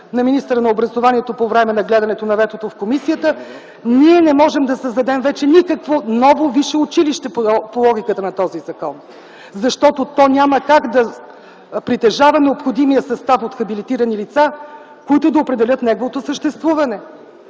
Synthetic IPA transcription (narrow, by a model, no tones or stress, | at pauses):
nɐminist̪əɾənɐobɾəzovaniɛt̪opovɾɛmɛnɐɡlɛd̪ɐnɛt̪onɐvɛt̪ot̪ofkomisijət̪ə | niɛnɛmɔʒɛmd̪ɐsəzd̪ɐd̪ɛmvɛt͡ʃɛnikəkvonɔvoviʃɛʊt͡ʃiliʃt̪ɛppolˠɔɡ̟ʲikət̪ənɐt̪ɔzizɐkɔn | zɐʃt̪ɔt̪ot̪ɔnʲaməkaɡd̪ɐ | pɾit̪ɛʒavɐnɛopxod̪imijəsɐst̪afot̪xɐbilit̪iɾənilit̪sa | koit̪ʊd̪ɐopɾɛd̪ɛlʲɤt̪nɛɡovot̪osəʃt̪ɛst̪vuvɐnɛ